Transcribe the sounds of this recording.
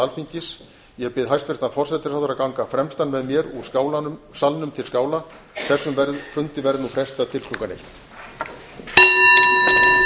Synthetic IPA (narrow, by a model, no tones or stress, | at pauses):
alʰiɲcɪs | jɛɣpɪðɦajst̪vɛr̥t̪anfɔrsɛt̪ɪ̥ɾaðʏɾakawŋkafɾɛmst̪anvɛðmjɛɾuawlsalnʏmt̪ʰɪlskaːwla | θɛsːʏmvɛɾðfʏnt̪ɪvɛɾðnufɾɛst̪aðt̪ʰɪlk̪ʰlukanḛjht̪